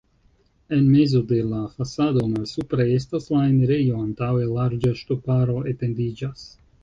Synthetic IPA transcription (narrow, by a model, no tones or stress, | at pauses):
enmezo̞d̪e̞lafasad̪o̞nalsupɾaest̪aslaeneɾejo̞ant̪awelaɾd͡ʒaʃt̪opaɾo̞etend̪id͡ʒas